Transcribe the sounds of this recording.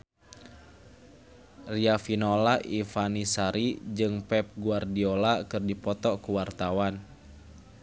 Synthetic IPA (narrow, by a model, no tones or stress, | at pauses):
riafinɔlaʔifanisaɾid͡ʒɨŋpɛp̚ɡuardiɔlakɨrdipɔt̪ɔkuwart̪awan